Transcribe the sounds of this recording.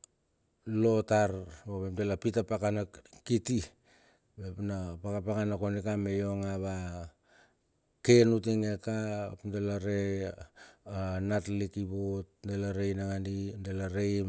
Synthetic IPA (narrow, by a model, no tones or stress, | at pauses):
lo̞taɾboβemdelapitapakanakiti | bepnapakapakanakonikame̞jo̞ŋaβa | ke̞nut̬iŋekapndelaɾe̞ | anatlikibot̚ndelaɾejnaŋandindelaɾej